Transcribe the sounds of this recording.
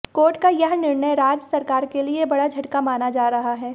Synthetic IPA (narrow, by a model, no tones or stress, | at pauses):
koːɾʈkajɐɦnɪɾɳəjɾaːd͡ʒsɐɾkaːɾkeliebɐɽad͡ʒʱɐʈkamaːnad͡ʒaːɾɐɦaɦɛː